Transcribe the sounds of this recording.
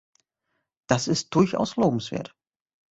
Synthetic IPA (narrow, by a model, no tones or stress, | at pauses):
d̥asɪst̚d̥ʊrça̰wsloːbm̩sʋḛːɐt